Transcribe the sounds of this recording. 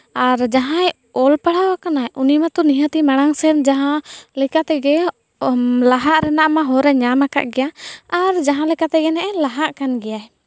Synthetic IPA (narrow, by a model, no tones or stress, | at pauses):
aɾd͡ʒaɦãj | ɔlpaɽawakanajʔunimat̪ɔniɦat̪imaɽ̃aŋsɛnd͡ʒaɦãlɛkat̪ɛɡɛ | laɦaʔɾɛnaʔmaɦɔɾɛɲanaka̰ʔɡɛjaaɾd͡ʒaɦãlɛkat̪ɛɡɛnɛʔɛlaɦaʔkanɡɛjaj